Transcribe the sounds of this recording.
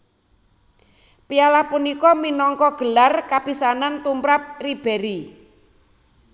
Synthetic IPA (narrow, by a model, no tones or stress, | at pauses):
pialahpunikɔminɔŋkɔɡ̥ə̤larkab̥isanant̪umpɾap̚rib̥eɾi